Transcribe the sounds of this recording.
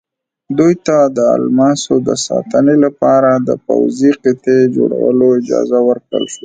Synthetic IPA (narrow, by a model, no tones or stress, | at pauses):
d̪ujt̪ad̪əa̰lmɑsod̪əsɑ̰t̪ənelapɑɾad̪əpa̰wziqɪt̪ed͡ʒoɽa̰wəloɪd͡ʒɑ̰zawəɾkɽə̰lʃa